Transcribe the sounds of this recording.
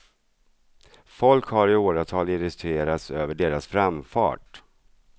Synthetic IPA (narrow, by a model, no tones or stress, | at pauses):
fɔlkhaɾɪoːɾat̪ʰɑːlɪɾɪst̪ɵeːɾat̪søːvəɖeːɾasfɾamfɑ̰ːʈ̚